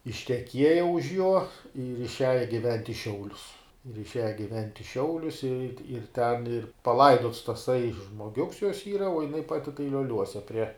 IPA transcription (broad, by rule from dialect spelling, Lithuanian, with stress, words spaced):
ɪʃʲtʲɛˈkʲiɛjɛ ʊʃ juɔ ɪr ɪʃʲˈæːjɛ ɡʲɪˈʋʲɛnʲtʲ ɪ ˈʃʲɛʊlʲʊs ɪr ɪʃʲˈæːjɛ ɡʲɪˈʋʲɛnʲtʲ ɪ ˈʃʲɛʊlʲʊs ɪr tʲɪ ɪr tʲɛn ɪr pɐˈlˠɐɪdoːts tɐˈsɐɪ ʒmoːˈɡʲʊks joːs ˈiːrɐ oː jɪˈnɐɪ ˈpɑːtʲɪ tɐɪ lʲoːˈlʲuɔsʲɛ pʲrʲiɛ